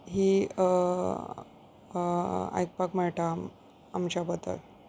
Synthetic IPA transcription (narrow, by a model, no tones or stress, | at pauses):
ɦiː | a̰jk̚pakmɛɭʈaː | mt͡ɕapət̪ə̰l